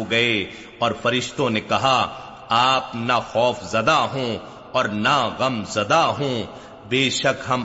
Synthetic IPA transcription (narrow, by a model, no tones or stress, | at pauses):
oɡɐe | ɔːɾfɐɾɪʃt̪õnekɐɦaː | aːpnaxɔːfzɐd̪aɦõ | ɔːɾnaɣɐmzɐd̪aɦõ | beːʃɐkɦɐm